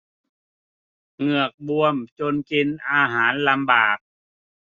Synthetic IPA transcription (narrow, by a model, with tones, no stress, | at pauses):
ŋɯ˧˩ək̚bu˧əmt͡ɕo˧nke˧nʔaː˧ɦaː˩˦nla˧mbaː˨˩k̚